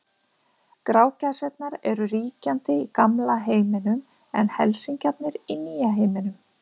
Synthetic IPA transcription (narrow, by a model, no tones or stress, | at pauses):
kɾaːwcasɛt̪̚naɾɛɾʏɾiːcant̪ɪikamlaɦeːjmɪnʏm | ɛnhɛlsiɲcapnɪɾiniːjaɦeːjmɪnʏm